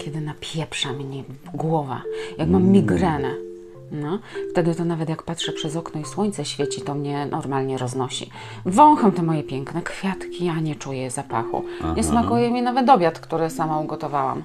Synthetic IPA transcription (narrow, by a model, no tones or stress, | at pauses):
kʲɛd̪ɘnapʲjɛpʂamɲɛɡwɔva̰jakmamːʲiɡɾɛnɛ | nɔft̪ɛd̪ɘt̪ɔnavɛt̪jakpat̪ʂɛpʂɛzɔknɔiswɔɲt̪sɛɕfʲjɛt͡ɕit̪ɔmɲɛnʔɔɾmalɲɛɾɔznɔɕḭ | vɔ̃w̃xɔmt̪ɔmɔjɛpʲjɛŋknɛkfʲjat̪kʲiaɲɛt͡ʂujɛzapa̰xṵɲɛsmakujɛmʲinavɛt̪̬ɔbʲjat̪kt̪uɾɘsamauɡɔt̪ɔvawa̰m